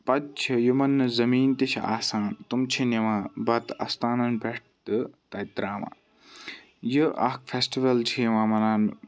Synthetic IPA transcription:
pɐt̪̚t͡ʃʰijimɐnɨzɐmiːnt̪it͡ʃʰa̰ːsaːnt̪umt͡ʃʰineʋãːbɐt̪ɐ̰st̪aːnɐnbʱeʈ̚ʰ | t̪ɨt̪ɐit̪ɾaːʋã̰ː | jiʔɐ̰kfʰesʈiʋɐlt͡ʃʰiʋãːmɐnaːn

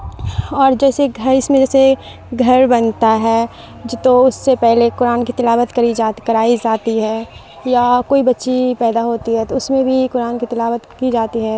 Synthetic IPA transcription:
ɔːɾd͡ʒɛːseɡʱɐɾɪsmẽd͡ʒɛːse | ɡʱɐɾbɐnt̪aɦɛː | d͡ʒt̪oʊsːepɛɦlekʊɾaːnkit̪ɪlaːʋət̪kɐɾid͡ʒaːt̪kɐɾaːid͡ʒaːt̪iɦɛː | jakoːibɐtːʃipɛːd̪aɦoːt̪iɦɛt̪oʊsmẽbʱikʊɾaːnkit̪ɪlaːʋət̪kid͡ʒaːt̪iɦɛ

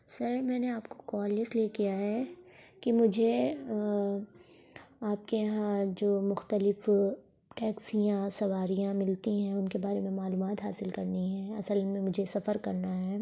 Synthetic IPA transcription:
sɐɾmɛ̃ːneaːpko̥kɔːlɪsliekijaɦɛː | kimʊd͡ʒʱe | aːp̚keɦãd͡ʒoːmʊxt̪əlɪf | ʈɛːksijãsɐʋaːɾijãmɪlt̪iɦɛ̃ʊnkebaːɾemẽmaːluːmaːt̪ɦa̰ːsɪlkɐɾniɦɛ̃ːɐsəlmẽmʊd͡ʒʱesɐfəɾkɐɾnaɦɛː

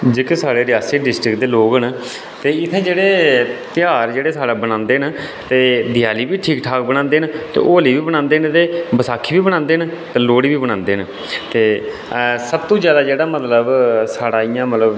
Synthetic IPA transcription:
d͡ʒeːkesaːɽeːɾɪjaːsɪkɖɪsʈɾɪkd̪eːloːɡən | t̪eːɪt̪ʰːẽːd͡ʒeːɽeːt̪ɪjaːɾd͡ʒeːɽeːsaːɽaːbənãːnd̪eːɦn | t̪eːd̪ɪjaːliːbiːʈʰiːkʈʰaːkbənãːnd̪eːnt̪ḛːʔoːliːʋiːbənãːnd̪eːnt̪eːbəsaːkʰiːbiːbəñãːnd̪eːnt̪eːloːɽiːbiːbəɽãːnd̪eːɦn | t̪eː | səb̚t̪õːzjaːd̪aːd͡ʒeːɽaːmət̪ləbsaːɽaːɪjãːmət̪ləb

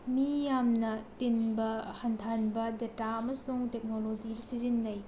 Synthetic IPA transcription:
mijamnɐtinbɐhɐntʰanbɐdetaɐmɐsuŋtek̚nolod͡ʒidɐsizinːɐj

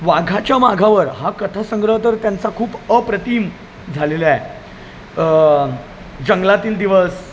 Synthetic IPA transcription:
ʋaɡʱat͡ɕjamaɡʱaʋəɾɦakət̪ʰasəŋɡɾəɦət̪əɾt̪jant͡sakʰuːpəpɾət̪iːm | d͡zʱalelae | d͡ʑəŋɡlat̪iːld̪iʋəs

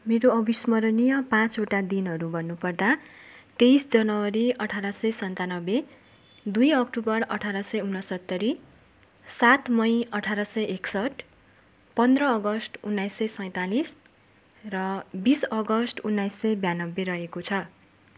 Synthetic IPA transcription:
meɾoʌbismʌɾʌnijʌpãt͡soʈad̪inɦʌɾubʱʌnːupʌrd̪at̪ejsd͡zʌnʌwʌɾiʌʈʰaɾasʌjsʌnt̪anʌbe | d̪ujʌk̚ʈubʌrʌʈʰaɾasʌjunːʌsʌt̪ːʌɾi | sat̪mʌjʌʈʰaɾʌsʌjʔeksʌʈ | pʌnd̪rʌːɡʌsʈunːajsʌjsʌj̃t̪alis | rʌbisʌɡʌsʈunːajsʌjbjanʌbːeɾʌɦekot͡sʰʌ

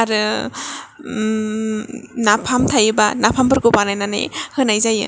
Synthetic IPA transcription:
aɾɯ | napʰamtʰajɯba̰napʰambɯɾɡɯpanajnanḛhɯnajzajɯ̰

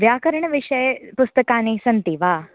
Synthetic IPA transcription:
ʋjaːkəɾəɳʋiʂəjpust̪əkaːnisɐnt̪iʋaː

